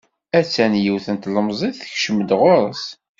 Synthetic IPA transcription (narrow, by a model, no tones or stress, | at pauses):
æt͡sːænjiwθənt̪ləmzˤiðθəçʃəmːəd̪ʁʊɾˤəs